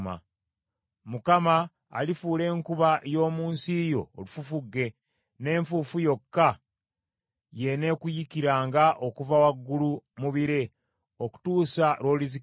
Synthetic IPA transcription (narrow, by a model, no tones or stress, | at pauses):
ma̰ | mukama̰ː | lifuːle̞ːŋkuβajo̞ːmuːnsijo̞̰ːlufufuɡːe̞ | ne̞ːɱfufujo̞kːa | je̞ne̞kujikiɾaːŋɡaʔo̞kuvawaɡːulumuβiɾe̞ | o̞ku̥tuːsalo̞ːlizi